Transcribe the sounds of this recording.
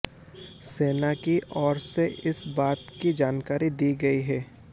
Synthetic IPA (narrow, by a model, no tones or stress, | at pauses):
seːnakiɔːɾseʔɪsbaːt̪kid͡ʒaːnkaːɾid̪iːɡɐiɦɛː